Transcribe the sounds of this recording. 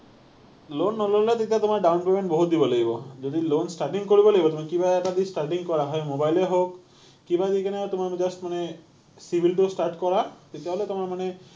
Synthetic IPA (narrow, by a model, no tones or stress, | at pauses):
lonːɔlɔɦlet̪et̪iat̪omaɹɖawnpemeɳʈboɦut̪̚d̪ibɔlaɡibɔd͡ʒod̪ilonsʈaɾʈiŋkoɹibɔlaɡibɔt̪omakibaɛʈad̪isʈaɾʈiŋkɔɾaɦɔjmobajleɦok | kːibad̪ikinet̪omad͡ʒɔsʈmane | sibʱilʈusʈaɾʈkɔɹat̪et̪ijaɦɔlet̪omaɹmane